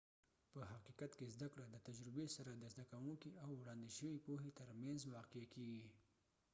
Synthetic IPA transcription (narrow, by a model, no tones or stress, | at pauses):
pəɦaqiqat̪kezd̪akɽad̪ət̪ad͡ʒɾɪbesaɾad̪əzd̪akawuŋkiawːɽɑnd̪iʃəwipoɦet̪əɾmanzwɑqeakeɡi